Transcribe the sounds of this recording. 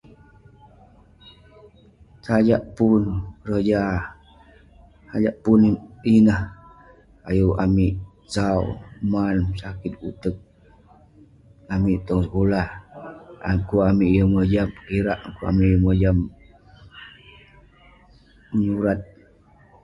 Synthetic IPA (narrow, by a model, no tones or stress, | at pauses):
sad͡ʒaʔpunrəd͡ʒa | ad͡ʒaʔpuninah | ajuamiʔ | sawmansakit̪̚ut̪ək̚ | amiʔt̪ɔŋsəkolah | a̰ŋkuamiʔjəməd͡ʒamkiɾaʔŋkua̰miʔjəməd͡ʒam | məɲuɾat̪̚